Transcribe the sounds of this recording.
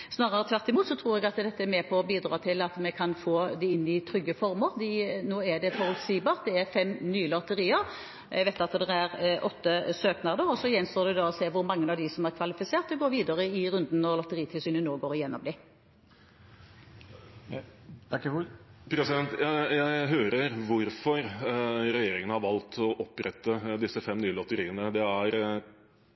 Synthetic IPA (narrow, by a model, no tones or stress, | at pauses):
snɑːɾʁəʁət̪ʰʋæʁt̪ɪmuːt̪sɔt̪ʰɾuːɾɛɡɑt̪d̪ɛt̪ːəɛmɛpʰɔbiːd̪ɾɑːt̪ʰɪlɑt̪mɛkʰɑnfoːd̪ɛɪnːɪt̪ʰɾʏɡːəfɔɾməɾd̪ɪnoːæd̪ɛfɔɾɔlsiːbɑːʁt̪̚d̪ɛæɾfɛmnyːlɑt̪ːəɾiːəɾ | ɛʋɛt̪ɑt̪d̪ɛɾæʁʔɔt̪ːəsøːknɑd̪əʁɔsɔjɛnst̪oːd̪ɛd̪ɑɔseːʋʊɾmɑŋːənɑʋd̪ɪsɔmæʁkʰʋɑlɪfɪseːʁt̪əɡoːɾʋiːd̪əʁəɪɾʉnd̪n̩nɔɾlɔt̪əʁiːt̪ʰɪlsyːnənoːɡoːɾjɛnːɔmd̪iː | pʰɾɛsɪd̪ɛnt̪jæɪɦøːɾəɾʋʊɾfɔɾɾɛjeːɾɪŋənhɑɾʋɑlt̪ʰɔʔɔpːɾɛt̪ːəd̪ɪsːəfɛmnyːəlɔt̪əɾiːənəd̪ɛæɾ